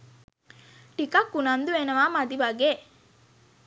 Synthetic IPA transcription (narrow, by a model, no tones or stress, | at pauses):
ʈikɐkːunɐnd̪ueːnɐʋaːmad̪iʋaɡe